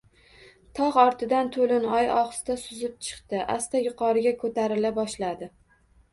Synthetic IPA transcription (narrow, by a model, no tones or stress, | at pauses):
t̪ʰɒʁɒɾt̪ʰɪd̪ant̪ʰolɪnɒjɒχst̪asʊzɪp̚t͡ʃʰɨ̥qt̪ɪʔa̰st̪ajʊqʰɒɾɪɡʲakʰɵt̪aɾɪlabɒʃlad̪ɪ